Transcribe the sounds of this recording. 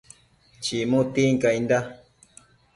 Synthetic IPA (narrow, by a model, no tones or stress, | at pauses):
t͡ʃimũt̪iŋkaind̪a